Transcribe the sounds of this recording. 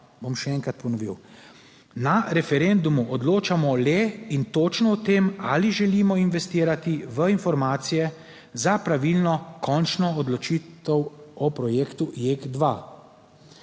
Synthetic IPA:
bomʃɛɛŋkɾat̪pɔnɔʋḭw | naɾɛfɛɾend̪umuʔɔd̪loːt͡ʃamɔlɛint̪oːt͡ʃnɔɔt̪eːma̰liʒɛliːmɔinʋɛst̪iːɾat̪iʋəinfɔɾmaːt̪sijɛ | zapɾaʋilnɔkʰɔnt͡ʃnɔːd̪lɔt͡ʃiːt̪ɛwɔpɾɔjeːkt̪ujekd̪ʋa

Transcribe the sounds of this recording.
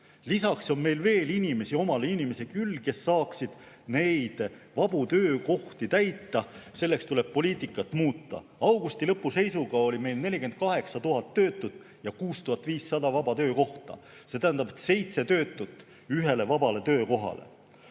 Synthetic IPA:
lisɑkso̞nme̞jlve̞ːlinime̞sio̞mɑleinime̞se̞kylke̞sːɑːksid̪̥ | ne̞jd̪̥vɑb̥ut̪ø̞ːko̞ht̪it̪æjt̪ˑːɑse̞lːe̞kst̪ule̞b̥̚po̞lʲiːt̪ˑikːˑɑt̪ːˑmuːt̪ːˑɑ̰ | ɑwɡ̥ust̪ilɤpːuse̞jsuɡ̥ɑo̞lʲime̞jlne̞lʲikent̪̚kɑɦe̞ksɑt̪uɦɑt̪ːø̞ːt̪ːˑud̪̥ | jɑkuːst̪uɦɑt̪viːsːɑd̪ɑvɑbɑt̪ø̞ːko̞ht̪ɑ̰ | se̞t̪æɦænd̪ɑbet̪se̞jt̪se̞t̪ø̞ːt̪ːˑut̪ːˑ | yɦe̞le̞vɑbɑle̞t̪ø̞ːko̞ɦɑ̰le̞̰

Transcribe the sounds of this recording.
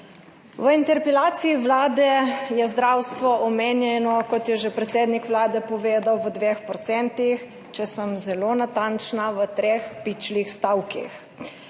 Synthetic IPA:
ʋəint̪ɛɾpɛlaːt̪siːʋlaːd̪ɛjɛzd̪ɾawst̪ʋɔʔɔmeːnjɛnɔkɔt̪jɛʒepɾɛt̪seːd̪nikʋlaːd̪ɛpɔʋeːd̪awʋəd̪ʋexpɾɔt̪sɛnt̪ix | t͡ʃɛsəmzɛloːnat̪ant͡ʃnaʋət̪ɾexpit͡ʃlixst̪awkḭx

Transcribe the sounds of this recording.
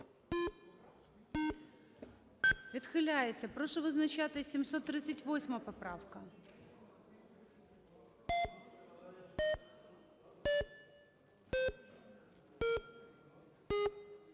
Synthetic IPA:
vʲɪt̪xɨlʲajɪt͡s̪ʲəpɾoʂəvəznɐt͡ɕat̪əsʲɪmsot̪ːɾʲit̪sɨtʲvo̞sʲməjpɐpɾafkə

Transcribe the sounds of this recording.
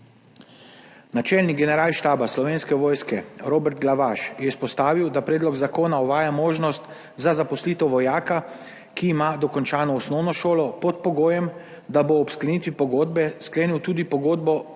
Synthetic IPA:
nat͡ʃɛlniɡɛnɛɾaːlʃt̪aːbaslɔʋeːnskɛʋoːjskɛɾoːbɛɾt̪̚ɡlaʋaʃjɛispɔst̪aːʋiwd̪apɾɛːd̪lɔɡzakoːnaɔʋaːjamoːʒnɔst̪ | zazapɔsliːt̪ɔʋɔjaːka | kiːmad̪ɔkɔnt͡ʃaːnɔɔsnɔwnɔʃoːlɔpɔt̪̚pɔɡoːjɛm | d̪aboːpsklaniːt̪ʋipɔɡoːd̪̚bɛskleːniwt̪uːd̪ipɔɡoːd̪bɔ

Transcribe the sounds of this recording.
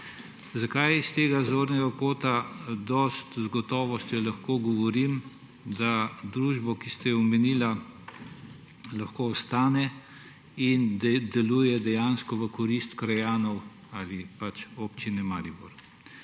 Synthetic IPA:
zakajist̪eːɡazoːɾnɛɡakoːt̪ad̪ɔst̪zɡɔt̪ɔːʋɔst̪jɔlaxkoːɡɔʋɔɾim | d̪ad̪ɾuːʒbɔkist̪ɛjɛɔmɛniːla | laxkoːɔst̪aːnɛ | ind̪ɛlujɛd̪ɛjanskɔʋəkɔɾist̪kɾajaːnɔw | alipat͡ʃopt͡ʃinɛmaːɾibɔɾ

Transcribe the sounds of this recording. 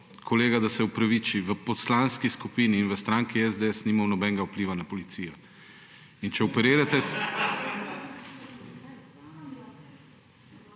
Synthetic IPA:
kʰoleːɡad̪asɛupɾaʋiːt͡ʃiʋəpɔslanskiskupiːniːnʋəst̪ɾaːŋkiɛzd̪eɛsnimamnɔbɛŋɡaupliːʋanapɔlit̪siːjɔ | int͡ʃɛɔpɛɾiːɾat̪ɛs

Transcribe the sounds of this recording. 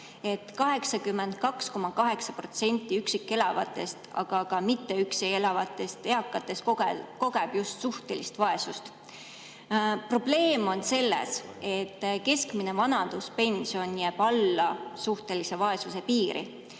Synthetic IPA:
e̞t̪kɑɦe̞ksɑkymːe̞nd̪̥̚kɑksko̞mɑkɑɦe̞ksɑpro̞t̪se̞nʲt̪ːˑiyksikːˑe̞lɑvɑ̰t̪ːˑe̞st̪ɑ̰ɡ̥ɑkɑmit̪ːe̞ykseje̞lɑvɑt̪ːˑe̞st̪e̞ɑkːˑɑt̪ːˑe̞sko̞ɡe̞b̥just̪suht̪e̞list̪vɑe̞sust̪ | pro̞b̥le̞ːmo̞nse̞lːḛs | e̞t̪ːke̞skmine̞vɑnɑnd̪̥uspe̞nʲsio̞njæːb̥ɑlːɑsuht̪e̞lise̞vɑe̞suse̞piːɾʔḭ

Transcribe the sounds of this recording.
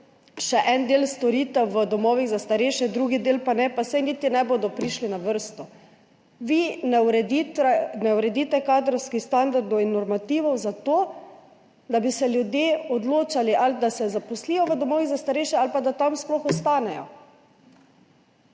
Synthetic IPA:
ʃɛʔɛnd̪eːlst̪ɔɾit̪ɛʋəd̪ɔmɔːʋiɣzast̪aɾɛʃɛd̪ɾuɡid̪eːlpanɛpasajniːt̪inɛboːd̪ɔpɾiːʃlinaʋəɾst̪ɔ | ʋinɛɾɛd̪iɛnɛuɾɛd̪iːt̪ɛkaːd̪ɾɔwskixst̪and̪aɾd̪ɔwinːɔɾmat̪iːʋɔwzat̪oː | d̪abisɛlʲjud̪jeːɔd̪loːt͡ʃaliʔald̪asɛzapɔslijɔʋəd̪ɔmɔːʋiɣzast̪aɾɛjʃɛalpad̪at̪amsplɔxɔst̪aːnɛjɔ̰

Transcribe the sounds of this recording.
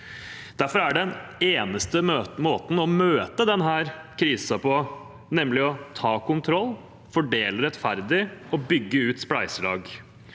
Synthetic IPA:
d̪̥æɾfɔɾæɖɛneːnəst̪əmoːt̪n̩ɔmøːt̪əd̪ɛnɦæːɾkʰɾiːsɑpɔ | nɛmlɪɔt̪ʰɑːkʊnt̪ʰɾɔlː | fɔɖeːləɾɛt̪fæɾd̪ɪɔbʏɡːəʉːt̪spɽæɪsəlɑ̰ːɡ

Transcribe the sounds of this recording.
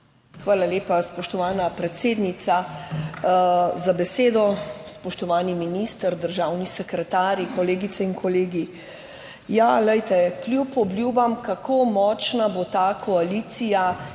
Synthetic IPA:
xʋaːlaleːpaspɔʃt̪ɔʋaːnapɾɛt̪seːd̪nit̪sa | zabɛseːd̪ɔspɔʃt̪ɔʋaːniminist̪əɾd̪əɾʒawnisɛkɾɛt̪aːɾjikɔleːɡit̪sɛinkʰɔleːɡi | jaləjt̪ɛkljupɔblʲjuːbamkakʰomɔːt͡ʃnabot̪akʰɔaliːt̪sija

